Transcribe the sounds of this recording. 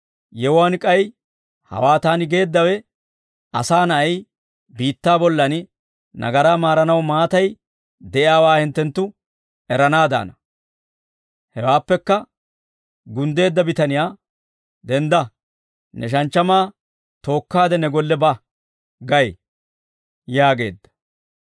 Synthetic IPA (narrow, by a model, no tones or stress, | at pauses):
jɛwʊwaːnkʼɐj | hɐ̰waːt̪aːnɪɡe̞ːd̪ːɐwɛ | ɐ̰saːnɐɐj | biːt̪ːaːbɔlːɐn | nɐ̰ɡɐɾaːmaːɾɐnɐwmaːt̪ɐj | d̪ɛʔɪaːwaːhɪnt̪ːɛnt̪ːʊ | ɛɾɐnaːd̪a̰ːnɐ | hɛwaːpːɛkːɐ | ɡʊnd̪e̞ːd̪ːɐbɪt̪ɐnɪjaː | d̪ɛnd̪ɐ | nɛʃ̬ɐnt͡ʃːɐmaː | t̪o̞ːkːaːd̪ɛnɛɡɔlːɛbɐ | ɡɐj | jaːɡe̞̰ːd̪ːɐ̥